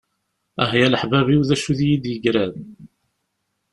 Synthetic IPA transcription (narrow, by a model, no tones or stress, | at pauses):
æ̰ɦjæləħvæβiwðæʃuðjid̪jəɡɾæð